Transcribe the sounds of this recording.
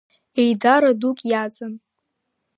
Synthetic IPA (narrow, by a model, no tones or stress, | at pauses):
e̞jdaɾadukʼjat͡sʼɨn